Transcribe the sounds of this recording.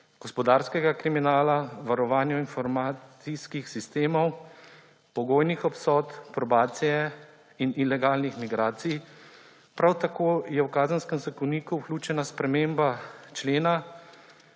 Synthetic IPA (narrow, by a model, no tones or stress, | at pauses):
ɡ̥ɔspɔd̪aːɾskɛɡakɾiminaːlaʋaɾɔʋaːnjɔinfɔɾmaːsiskixsist̪eːmɔw | pɔɡoːjnixɔpsɔːt̪pɾɔbaːt̪sijɛ | inilɛɡaːlnixmiɡɾaːt̪sij | pɾawt̪akoːjɛwkaːzənskɛmzakɔniːkuwkluːt͡ʃɛnaspɾɛmeːmbat͡ʃleːna